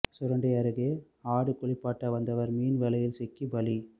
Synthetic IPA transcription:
sʊɾɐɳɖɐɪɐɾɯɣe | aːɽɯkːɔɭɪpːaːʈːɐʋɐnd̪ɐʋɐɾmiːnʋɛlɐjɪlsɛkːibɐli

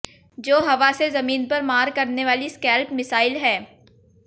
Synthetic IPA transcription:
d͡ʒoːɦɐʋasezɐmiːnpɐɾmaːɾkɐɾneʋaːliskɛːlpmɪsaːɪlɦɛː

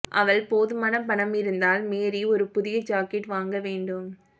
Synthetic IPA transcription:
ʔɐ̰ʋɐɭpoːðɯmaːnɐpɐɳɐmɪɾɯnd̪aːlmeːɾiɔɾɯpʊðɪjɐd͡ʒaːkɛʈʋaːŋɡɐʋeːɳɖɯm

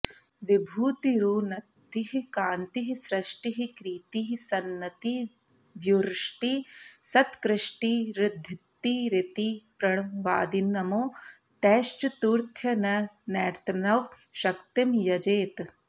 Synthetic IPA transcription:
ʋibʱuːt̪iɾuːnɐt̪ːiɦikaːnt̪iɦisɾɐʃʈiɦikɾiːt̪iɦisɐnːɐt̪i | ʋjuɾʂʈisɐt̪kɾɪʂʈiɾɪd̪ʱːit̪ːiɾit̪ipɾɐɳʋaːd̪inːɐmoː | t̪ɛːʃt͡ʃt̪uːɾt̪ʰjɐnɐnɛːɾt̪ʰɐnɐʋ | ʃɐkt̪imjɐd͡ʒeːt̪

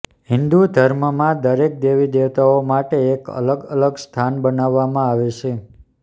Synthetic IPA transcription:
ɦɪnd̪ud̪ʱəɾməmãd̪əɾek̚d̪eʋid̪eʋt̪aomaʈeːkə̰ləɡələɡst̪ʰanbənaʋːamãaʋet͡ʃʰe

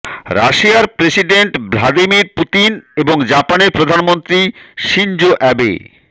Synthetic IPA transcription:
ɾa̰ʃiaɾpɾesiɖeɳʈblad̪imiɾput̪ineboŋd͡ʑapaneɾpɾod̪ʱanmont̪ɾiʃind͡ʑoʔɛbḛ

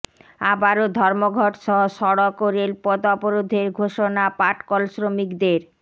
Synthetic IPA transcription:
abaɾod̪ʱɔɾmoɡʱɔʈʃɔɦoʃɔɽokoɾelpɔd̪ɔpoɾod̪ʱeɾɡʱoʃonapaʈkɔlsɾomikd̪eɾ

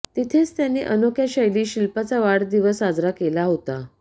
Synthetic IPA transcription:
t̪it̪ʰet͡st̪janːeʔənokjaɕəjliːɕilpat͡saʋaɽd̪iʋəsɦad͡zɾakelaɦot̪a

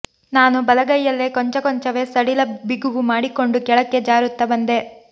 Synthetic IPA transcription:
naːnubɐlɐɡɐjːɐlːekoɲt͡ʃɐkɔɲt͡ʃɐʋe̞ːsɐɽilɐbiɡuʋumaːɽiko̞ɳɖukɛɭɐkːe̞d͡ʒaːɾut̪ːɐbɐnd̪e̞

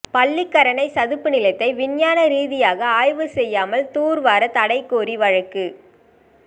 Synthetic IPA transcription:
pɐlːɪkːɐɾɐɳɐɪsɐðɯpːɯnɪlɐɪt̪ːɐɪʋɪɳjaːnɐɾiːðɪjaːɣɐaːjʋɯsɛjːaːmɐlt̪uːɾʋaːɾɐt̪ɐɽɐɪkːoːɾiʋɐɻɐkːɯ

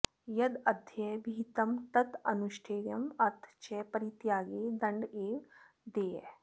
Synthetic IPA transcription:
jɐd̪ɐd̪ʱjɛbʱiːt̪ɐmt̪ɐt̪ɐnuʃʈʰeːjɐmɐɾt̪ʰt͡ʃɛpɐɾit̪jaːɡeːd̪ɐɳɖeːʋ | d̪ḛː

